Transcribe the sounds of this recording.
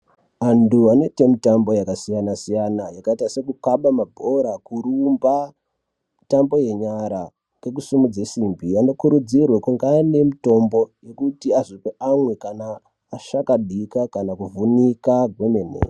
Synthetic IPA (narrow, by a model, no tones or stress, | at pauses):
anduane̞te̞mitambo̞jakasijanasijanajakaitase̞kukaɓamabʱo̞ɾakuɾumba | mitambo̞je̞ɲaɾa | ke̞kusimud͡zesimbiano̞kuɾud͡zirwekuŋɡane̞mito̞mbo̞je̞kutiaʐipeʔamwe̞kanaː | ʃakaɗʱikakanakuvunikaɡʱwemenḛː